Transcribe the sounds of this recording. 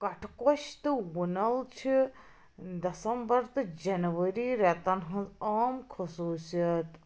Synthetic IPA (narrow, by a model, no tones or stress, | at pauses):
kɐʈʰkoʃt̪ɨwunɐlt͡ʃʰi | d̪ɐsɐmbɐɾt̪ɨd͡ʒɐnʋəɾiːɾet̪ɐnɦɐ̃zaːmkʰɐsuːsijɐt̪